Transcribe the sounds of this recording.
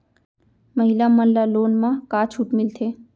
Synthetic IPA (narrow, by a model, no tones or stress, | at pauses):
məɦɪlaməlːaloːnmãkaːt͡ʃʰuʈmɪlt̪ʰe